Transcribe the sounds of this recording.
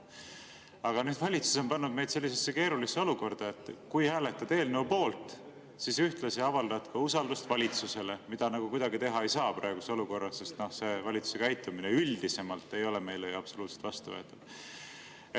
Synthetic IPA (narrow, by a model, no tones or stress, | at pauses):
ɑɡ̥ɑnyːd̪vɑlʲit̪su̥so̞npɑnːud̪̥̚me̞jd̪se̞lʲːisesːe̞ke̞ːɾulisːeo̞luko̞rd̪̥ɑe̞t̪ːˑkujhæːle̞t̪ːˑɑd̪e̞ːlnuupo̞ːlt̪ˑ | sisyht̪lɑsɑɑvɑld̪̥ɑt̪kɑusɑld̪ust̪vɑlʲit̪suse̞le̞mid̪̥ɑnɑɡ̥ukud̪ɑɡit̪e̞ɦɑe̞jsɑːpɾɑ̰eɡ̥useo̞luko̞rːɑse̞st̪no̞hse̞vɑlʲit̪su̥se̞kæjt̪ːˑumineyld̪̥ise̞mɑlt̪ːe̞jo̞leme̞jleɑb̥so̞luːt̪set̪vɑst̪uvø̰t̪ːˑud̥̪